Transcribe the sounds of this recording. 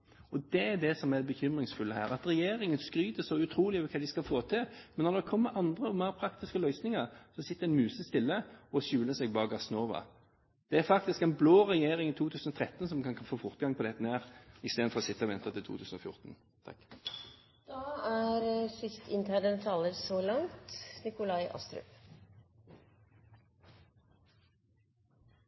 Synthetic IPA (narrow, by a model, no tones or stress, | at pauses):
ɔd̪ɛæɾd̪ɛsɔmædbəçʏmʁɪŋsfʉlːəɦæːʁɑt̪ʁɛjeːɾɪŋənskɾyːt̪əsɔʉt̪ʰɾuːlɪœʋəkʰɑːd̪ɪskɑlfoːt̪ʰɪlmɛnːɔɾd̪ɛkʰɔmːəʔɑnd̪ʁəɔmæʁpʰɾɑkt̪ɪskəlœʏsnɪŋəʁsɔsɪt̪ːəɾɛnmʉːsəst̪ɪlːəɔɕʉːləsɛɡbɑːəɡɑsnoːʋɑ̰ | d̪̥ɛæɾfɑkt̪ɪskɛnbloːʁɛjeːɾɪŋiːt̪ʰuːt̪ʰʉːsən̩ɔt̪ʰʁɛt̪ːn̩sɔmkʰɑnkɑfoːfɔɾt̪ɡɑŋpʰɔd̪ɛt̪ːənæːʁɪst̪eːd̪̩fɔʁɔsɪt̪ːəɔʋɛnt̪ɑt̪ʰɪlt̪ʰṵːʉːsn̩ɔfjʊ̰ʁt̪n | t̪ʰɑ̰k | d̪̥ɑæɾsʏst̪ʰɪnt̪ʰæd̪ənt̪ʰɑːləɾsolɑŋt̪nɪkʊlɑɪʔɑ̰st̪ɾʉ̰p